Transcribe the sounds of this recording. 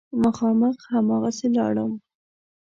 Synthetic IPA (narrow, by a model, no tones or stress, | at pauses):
məxɑməxhamɑɣaselɑ̰ɽəm